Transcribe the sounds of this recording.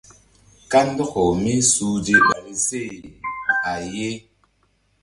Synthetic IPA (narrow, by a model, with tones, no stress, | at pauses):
ka˦n˦dɔ˦kɔ˨mi˦su˨di˦ɓa˨bi˦se˦˨i˨a˨je˦